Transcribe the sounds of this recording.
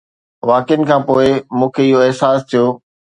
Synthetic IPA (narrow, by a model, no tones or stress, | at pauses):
ʋaːkɪjənɪ̆kʰãːpoːɪmũːkʰeɪɦoɪɦsaːst̪ʰijoː